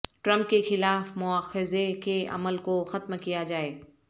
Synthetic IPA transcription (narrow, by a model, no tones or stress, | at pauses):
ʈɾɐ̃mp̚kexɪlaːfmʊaːxɪzekeʔɐ̰məlkoxɐt̪mkijad͡ʒaːeː